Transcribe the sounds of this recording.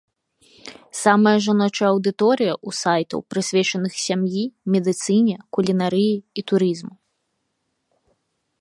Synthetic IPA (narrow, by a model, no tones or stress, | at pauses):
samɐjɐʐanɔt͡ʂɐɐwd̪ɨt̪ɔɾɨjɐʔusajt̪ɐ̰wpɾɨsʲvʲɛt͡ʂɐnɨxsʲamjimʲɛd̪ɨt̪sɨnʲɛkulʲinaɾɨjiit̪uɾizmu